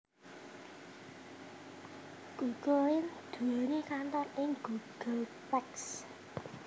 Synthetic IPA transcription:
ɡ̥uɡ̥oɪnd̪̥ṳonekant̪anɪŋɡ̥uɡ̥əlpɛks

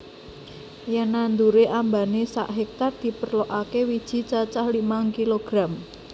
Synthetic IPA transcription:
janand̪uɾeʔambanesa̰ʔɦɛk̚t̪ard̪̥i̤pərloʔakewid̥ʒ̥i̤t͡ʃat͡ʃahlimaŋkiloɡ̥ɾam

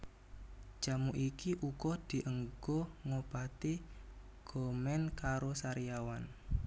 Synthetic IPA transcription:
d͡ʒ̥a̤muʔikiʔuɡɔd̪̥i̤ʔəŋɡ̥ɔŋob̥at̪i | ɡ̥ɔ̤mɛnkaɾosaɾijawan

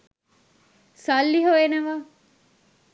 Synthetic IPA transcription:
sɐlːiɦoeːnɐʋaː

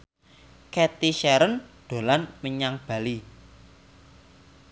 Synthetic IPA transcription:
kɛt̪iʃɛɾənd̪̥o̤lanməɲaŋb̥a̤li

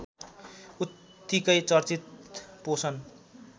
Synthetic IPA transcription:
ut̪ː | ikʌjt͡sʌrt͡sit̪̚posʰʌn

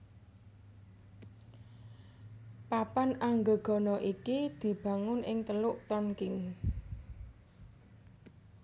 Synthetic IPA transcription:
papanaŋɡə̤ɡ̥ɔ̤nɔʔikid̪̥i̤b̥ä̤ŋʊnʔɪŋt̪əlʊʔt̪ɔnkɪn

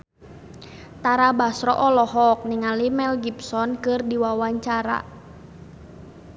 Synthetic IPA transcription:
t̪aɾabasɾɔʔɔlɔɦɔk̚niŋalimɛlɡipsɔnkɨrdiwawaɲt͡ʃaɾa̰

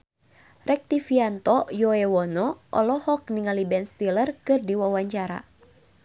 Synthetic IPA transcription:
rɛk̚t̪ifiant̪ɔjɔɛwɔnɔʔɔ̰lɔhɔk̚niŋalibɛnst̪ilərkɨrdiwawaɲt͡ʃaɾa̰

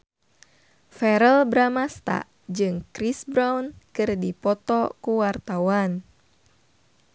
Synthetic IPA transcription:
fɛɾəlbɾamast̪a̰ | d͡ʒɨŋkɾisbɾawnkɨrdipɔt̪ɔkuwart̪awan

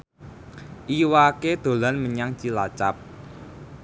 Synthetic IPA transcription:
ʔiwaked̪̥o̤lanməɲaŋt͡ʃilat͡ʃap̚

